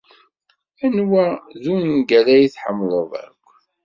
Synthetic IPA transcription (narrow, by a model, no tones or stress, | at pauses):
ænwæðuninɡæɾæjiθħəmːlˤəðˤæ̰kʷː